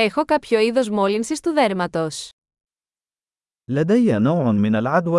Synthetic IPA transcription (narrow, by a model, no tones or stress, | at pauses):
exo̞kapço̞iðo̞zmolinsist̪uðeɾmɐt̪o̞s | lad̪ajːanowʕmɪnalʕad̪wa